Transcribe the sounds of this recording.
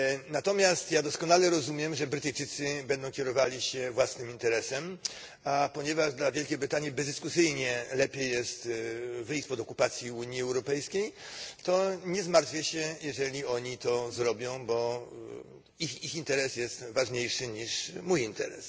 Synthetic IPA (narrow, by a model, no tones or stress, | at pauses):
nat̪ɔmʲjast̪jad̪ɔskɔnalɛɾɔzumʲjɛmʐɛbɾɘt̪ɘjt͡ʂɘt̪sɘbɛnd̪ɔ̃w̃kʲɛɾɔvalʲiɕɛvwasnɘmint̪ɛɾɛsɛm | apɔɲɛvaʐd̪lavʲjɛlkʲejbɾɘt̪aɲibɛzd̪ɘskusɘjɲɛlɛpʲjejːɛst̪vɘjɕt͡ɕʲpɔd̪ɔkupat̪sʲjiuɲjiɛwɾɔpɛjskʲejt̪ɔɲɛzmaɾt̪fʲjɛɕɛjɛʐɛlʲiɔɲit̪ɔzɾɔbʲjɔ̃w̃bɔ | ixixint̪ɛɾɛsjɛst̪vaʐɲejʂɘɲiʂmujint̪ɛ̰ɾɛ̰s